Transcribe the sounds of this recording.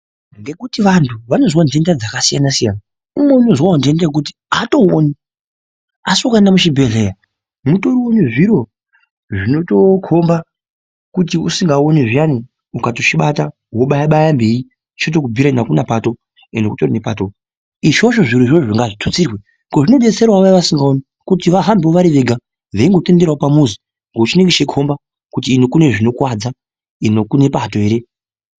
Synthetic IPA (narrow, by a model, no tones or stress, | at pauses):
ŋɡe̞kutiʋantʰuʋano̞zwande̞ndad͡zakasijanasijana | umwe̞uno̞zwaandendak̬utiato̞ni | asiokaendamuʃibʱe̞ɮe̞ja | muto̞ɾiwoneʐiɾo̞ | ʐino̞to̞kʰo̞mba | kut̬iusiŋɡaoniʐiani | ukatot͡ʃiɓata | woɓajaɓajambei | t͡ʃot̬o̞kubʱiɾainakunapato̞ | enokutorinepato | iʃo̞ʃo̞ʐiɾuʐooʐiŋɡaʐitʰut͡sirwe | ŋɡo̞ʐino̞ɗe̞t͡se̞ɾwaʋajiʋasiŋɡaoni | kutiʋaɦambeoʋaɾiʋe̞ɡʱa | ʋeiŋɡo̞te̞ndeɾaopamuzi | ŋɡout͡ʃine̞ŋɡeʃekʰo̞mba | kut̬iːnokune̞ʐino̞kwad͡za | inokune̞patoeːɾe̞